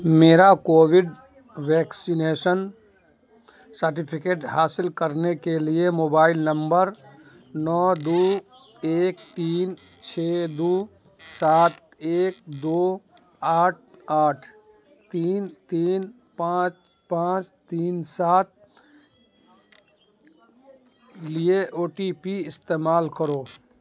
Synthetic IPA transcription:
meːɾakoːʋɪɖ | ʋɛːksɪneːʃən | səɾʈ̬ɪpʰɪkeːʈɦaːsɪlkɐɾnekeliemoːbaːɪlnɐ̃mbəɾ | nɔːd̪uː | eːk̚t̪iːn | t͡ʃʰeːd̪uː | saːt̪ | eːk̚d̪oː | aːʈ̚ʰaːʈʰ | t̪iːnt̪iːn | pãːt͡ʃ | pãːt͡ʃt̪iːnsaːt̪̚ | lieʔoːʈipiɪst̪eːmaːlkəɾoː

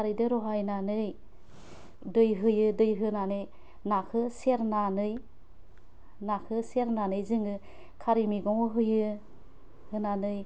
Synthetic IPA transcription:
aɾidɯɾɔɦajnanɯj | dɯjɦɯjɯdɯjɦɯnanɯj | nakʰɯseɾnanɯj | nakʰɯseɾnanɯjzɯŋɯ | kʰaɾimiɡɔŋɔɦɯjɯ | hɯnanɯj

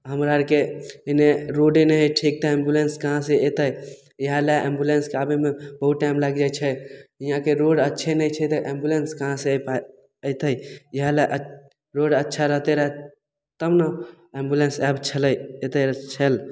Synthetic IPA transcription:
ɦəmɾaɾkeneɾoɖenəɦʈʰik̚t̪aẽmbjulenskəɦãseet̪əj | jəɦalaʔẽmbjulenskeabemẽbəɦut̪ːajmlaɡd͡ʒat͡ʃʰɛijãkeɾoɽətːʃʰenəjt͡ʃʰɛt̪əʔembjulenskəɦãsepa | əjt̪əjjəɦalaʔə | ɾoɽətːʃʰaɾəɦt̪eɾəɦɛ | t̪əmna | ẽmbjulensɛbt͡ʃʰələjet̪eɾt͡ʃʰəl

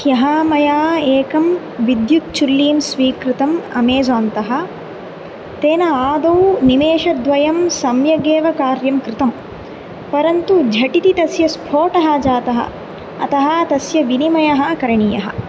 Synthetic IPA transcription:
jɐɦaːmɐjaːeːkɐm | ʋid̪juk̚t͡ʃulːiːmsʋiːkɾɪt̪ɐmɐ̰meːzaːnt̪ɐɦɐ̆ | t̪eːnɐaːd̪ɐwnimeːʃɐd̪ʋɐjɐmsɐmjɐɡeːʋɐkaːɾjɐmkɾɪt̪ɐm | pɐɾɐnt̪ud͡ʒʱɐʈit̪it̪ɐsjɐspʰoːʈɐɦɐd͡ʒaːt̪ɐɦɐ̰ | ɐ̰t̪ɐɦɐt̪ɐsjɐʋinimɐjɐɦɐkɐɾɐɳijɐɦɐ̰̆

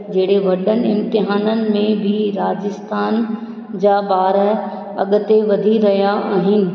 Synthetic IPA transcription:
d͡ʑɐɦɪɽeʋɐɗənɪɪ̃mt̪ɪɦaːnənɪ̆mẽbʱɪɾaːd͡ʑɪst̪ʰaːn | d͡ʑaːɓaːɾə | ɐ̰ɠʊ̆t̪eʋɐd̪ʱiɾɐɦijaʔaːɦɪnɪ̆

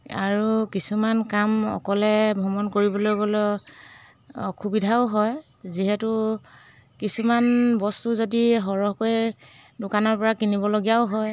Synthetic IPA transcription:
a̰ɹukisumankamɔ̰kɔlɛbʱɔmɔnkoɹibɔlojɡolɔ | ɔkʰubidʱaʊɦɔj | ziɦɛtʊ | kisumanbɔstuzodiɦɔɹɔɦkoj | dʊkanɔɹpɔɹakinibɔloɡijaʊɦɔj

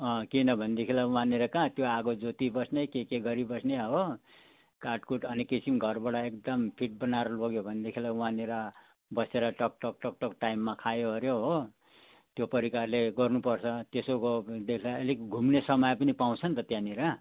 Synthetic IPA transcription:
ʌ̃kinʌbʱʌnd̪ekʰilaũãneɾʌkãt̪joaɡod͡zot̪ibʌsnekekeɡʌɾibʌsneɦo | karʈkuʈʌnikisimɡʱʌrbaɽʌekd̪ʌmpʰiʈ̚bʌnaɾʌloɡjobʱʌnd̪ekʰilaũãneɾʌ | bʌseɾʌʈʌk̚ʈʌkʈʌk̚ʈʌkʈaimːakʰajoɦʌɾjoɦo | t̪jopʌɾikarleɡʌrnupʌrt͡sʰʌt̪esokod̪ekʰilaelikɡʱumnesʌmʌjpʌnipaw̃t͡sʰʌnt̪ʌt̪jãniɾʌ

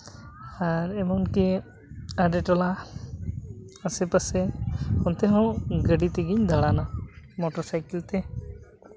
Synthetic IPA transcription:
aɾɛmɔnki | aɖɛʈɔla | asɛpasɛɔnt̪ɛɦɔ̃ɡəɖit̪ɛɡiɲd̪ʱaɭanamɔʈɔɾsajkilt̪ɛ

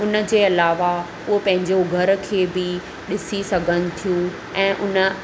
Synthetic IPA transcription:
ʊnə̆d͡ʑeːɐlaːʋa | ʊɦopɐ̃ɦɪ̃ɲd͡ʑoɡʱɐɾ̆kʰeːbɪ | ɗɪsisɐɡʱənɪ̆t̪ʰijũː | ɛ̃ːʔʊnə̆

